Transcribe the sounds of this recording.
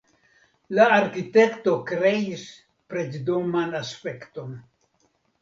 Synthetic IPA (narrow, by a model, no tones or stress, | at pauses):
laːɾkite̞kto̞kɾe̞is | pɾe̞t͡ʃdomanaspe̞kto̞n